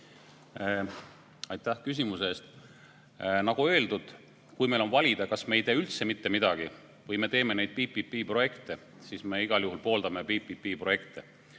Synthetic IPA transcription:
ɑjt̪ˑːæhkys̬ʲimusest̪ | nɑɡ̥ue̞ld̪̥ud̪̥ | kujme̞jlo̞nvɑlʲid̪̥ɑkɑsme̞jt̪eːylt̪se̞mit̪ːe̞mid̪̥ɑɡ̥i | vɤjme̞t̪e̞ːme̞ne̞jd̪̥̚piːpːipːiːpro̞je̞kt̪e | siːsme̞iɡ̥ɑljuɦulpo̞ːld̪ɑme̞piːpːipːiːpro̞je̞kt̪e

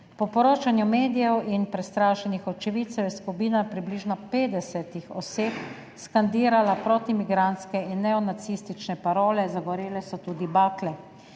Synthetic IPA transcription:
pɔpɔɾoːt͡ʃanjumeːd̪ijɛwinpɾɛst̪ɾaːʃɛnixɔt̪̚t͡ʃɛʋit̪sɛwjɛskupiːnapɾibliːʒnɔpeːd̪ɛsɛt̪ixɔ̰seːp | skand̪iːɾalapɾoːt̪imiɡɾant̪skɛinːɛɔnat̪siːst̪it͡ʃnɛpaɾoːlɛzaɡɔɾeːlɛsɔt̪uːd̪ibaːklɛ

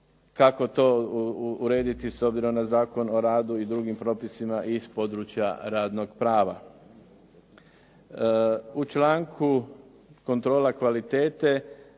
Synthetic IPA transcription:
kako̞t̪o̞ | uɾe̞ːd̪it̪iso̞bziɾo̞mnazaːko̞no̞ɾaːd̪uid̪ɾuɡimpɾo̞ːpisimaʔispo̞d̪ɾut͡ʃja̰ɾaːd̪no̞ɡpɾaːʋa̰ | ut͡ʃlaːŋkʰu | ko̞nt̪ɾo̞ːlakʋalit̪e̞ːt̪e̞

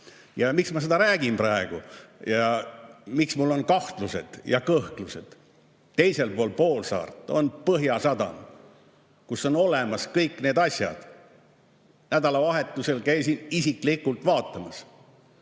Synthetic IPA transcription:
jɑmiksmɑsed̪̥ɑɾæːɡ̥imprɑeɡ̥ujɑ | miksmulːo̞nkɑht̪luse̞̰d̪̥jɑ̰kɤht̪luse̞̰d̪̥ | t̪ːe̞jse̞lpoːlpo̞ːlsɑ̰ːrt̪ːˑo̞npɤɦjɑsɑd̪ɑ̰n | kuso̞no̞le̞mɑskɤjkːne̞ːd̪ɑsʲjɑ̰d̪̥ | næd̪ɑlɑvɑɦe̞t̪ːˑuse̞lkæjsinisiklikult̪vɑːt̪ːˑɑmɑs

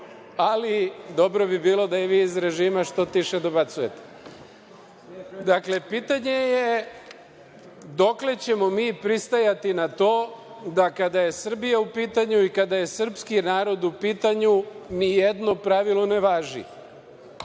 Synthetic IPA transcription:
alid̪o̞bɾo̞bibiːlˠo̞d̪aiʋiːzɾe̞ʒiːmaʃt̪o̞t̪iʃed̪abat̪suje̞t̪e̥ | d̪akle̞piːt̪aɲe̞je | d̪o̞kle̞t͡ɕe̞mo̞miːpɾist̪ajat̪inat̪o̞ːd̪akad̪aje̞sr̩bijaupiːt̪aɲuikad̪aje̞sr̩pskinaːɾo̞d̪upiːt̪aɲunijed̪no̞pɾaʋilˠone̞ʋaːʒḭ

